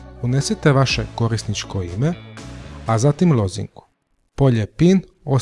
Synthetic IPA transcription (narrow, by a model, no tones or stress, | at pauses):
uneset̪eʋaʃeko̞ɾisnit͡ʃkoime̞ | azat̪imlˠo̞zḭŋku̥ | po̞ʎepin | o